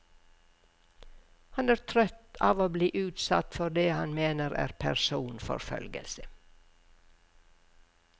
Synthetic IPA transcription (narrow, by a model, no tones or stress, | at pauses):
hɑnæːɾt̪ʰɾœt̪ɑːʋoːbliːʔʉːt̪sɑ̰t̪fɔɾd̪eːhɑnmeːnəɾæ̰ːɾpʰæɾsuːnfɔ̰ɾfœ̰lɡə̰lsə